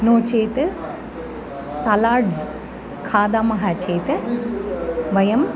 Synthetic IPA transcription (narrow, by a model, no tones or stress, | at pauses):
noːt͡ʃeːt̪ɨ | sɐlaːɾɖz | kʰaːd̪aːmɐɦaːt͡ʃeːt̪ɨ | ʋɐjɐm